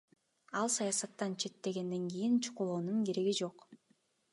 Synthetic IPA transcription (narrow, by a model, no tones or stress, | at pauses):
ɑlˠsɑjasɑt̪ːɑnt͡ʃʰe̞t̪ːe̞ɡe̞nd̪e̞ŋɡijint͡ʃʰu̥qulˠoːnunɡeɾeɡid͡ʒo̞q